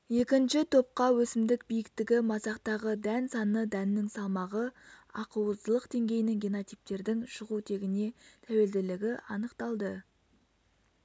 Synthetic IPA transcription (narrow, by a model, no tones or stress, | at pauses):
je̞kʲɪnʃɪt̪ʰo̞p̚qɑwɵsɪmd̪ɪk̚bijɪk̚t̪ɪɡʲɪmɑsɑqt̪ɑʁəd̪ænsɑnəd̪ænːɪŋsɑlˠmɑʁəɑqəwəzd̪əlˠəqd̪e̞ŋɡʲe̞jnɪŋɡʲenot̪ijp̚t̪e̞ɾd̪ɪŋʃəʁut̪ʰe̞ɡʲɪne̞t̪ʰæwe̞ld̪ɪlɪɡʲɪɑnəqt̪ɑlˠd̪ə